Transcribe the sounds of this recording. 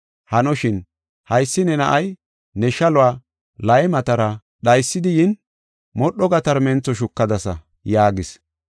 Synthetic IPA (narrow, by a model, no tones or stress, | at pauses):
hɐnɔʃɪn | hɐjsːɪnɛnɐʔɐj | nɛʃɐlʊwaː | lɐjmɐt̪ɐɾɐ | ɗɐjsːɪd̪ɪjɪn | mɔɗːɔɡɐt̪ɐɾmɛnt͡sːɔʃ̬ʊkːɐd̪ɐsɐ | jaːɡɪs